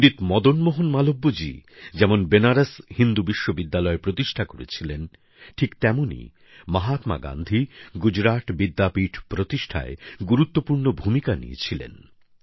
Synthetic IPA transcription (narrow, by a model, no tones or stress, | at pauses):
ɖit̪mɔd̪onmoɦonmalobːod͡ʑḭd͡ʑɛmonbenaɾashind̪ubiʃːobid̪ːalɔepɾot̪iʃʈʰakoɾḛt͡ɕʰilen | ʈʰikt̪ɛmonḭ | maɦat̪ma̰ɡa̰nd̪ʱiɡud͡ʑɾaʈ̪bid̪ːapiʈʰpɾot̪iʃʈʰa̰eɡuɾut̪ːopuɾnobʱumikanḭjḛt͡ɕʰilḛn